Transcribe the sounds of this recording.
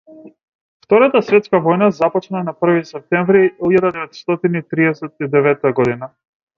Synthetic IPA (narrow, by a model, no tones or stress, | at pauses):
ft̪ɔɾat̪asvɛt̪skavɔjnazapɔt͡ʃnanapr̩visɛp̚t̪ɛɱvɾiiʎad̪ad̪ɛvɛt̪st̪ɔt̪init̪ɾiɛsɛt̪̚id̪ɛvɛt̪aɡɔd̪ina